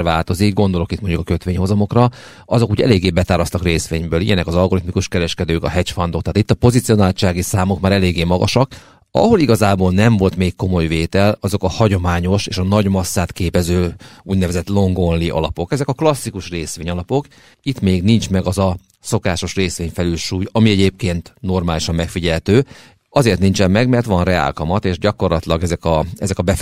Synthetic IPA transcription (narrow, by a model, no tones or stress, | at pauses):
rva̰ːlt̪o̞zikɡo̞nd̪o̞lo̞kit̪moɲɟukɒkøt̪ʋeːɲho̞zɒmo̞krɒ | ɒzo̞kuːɟɛ̰leːɡːeːbɛt̪aːɾlɒst̪ɒkreːsʋeːɲbøːlḭjɛnɛkɒzɒlɡoɾit̪mikuʃkɛɾɛʃkɛd̪øːkɒ̰ɦɛcfɒnd̪o̞kt̪aːt̪it̪ːɒpo̞zit̪sio̞naːlt͡ʃaːɡisaːmo̞kmaːɾɛleːɡːeːmɒɡɒ̰ʃɒk | ɒ̰ɦo̞liɡɒzaːboːlnɛɱvo̞lt̪meːkːo̞mo̞jveːt̪ɛlɒzo̞kɒhɒɟo̞maːɲo̞ʃeːʃɒnɒɟmɒsːaːt̪keːpɛzøːuːɟnɛvɛzɛt̪lo̞ŋɡo̞nliʔɒ̰lɒpo̞kɛzɛkɒklɒsːikuʃreːsʋeːɲɒlɒpo̞k | it̪meːɡnint͡ʃmɛɡɒzɒ | so̞kaːʃo̞ʃreːsʋeːɲfɛlylʃuːjɒmiɛɟeːp̚keːnt̪no̞rmaːliʃɒmːɛkfiɟɛlt̪øː | ɒzeːrt̪nint͡ʃɛmːɛɡmɛrt̪ʋɒnrɛa̰ːlkɒmɒt̪eːʒɟɒko̞rlɒt̪lɒɡɛzɛkɒɛzɛkɒbɛ